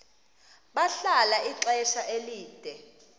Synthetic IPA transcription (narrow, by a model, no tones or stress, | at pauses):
ɓaɬalaʔiǁɛʃaʔeliːd̥ʱɛ